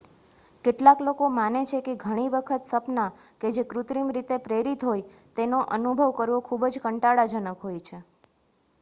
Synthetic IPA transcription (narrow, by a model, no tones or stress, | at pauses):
keʈlaklokomanet͡ʃʰekeɡʱəɽ̃iʋəkʰət̪səpna | ked͡ʒekɾut̪ɾimɾit̪epɾeɾit̪ɦoj | t̪enoʔənubʱəʋkəɾʋokʰubd͡ʒkəɳʈaɽad͡ʒənəkɦojt͡ʃʰe